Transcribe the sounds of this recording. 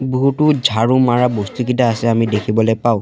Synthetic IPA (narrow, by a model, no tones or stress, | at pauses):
buɦutʊd͡ʒʱaɹumaɹabostukitaːsɛamidekʰibɔlɔjpaʊ̃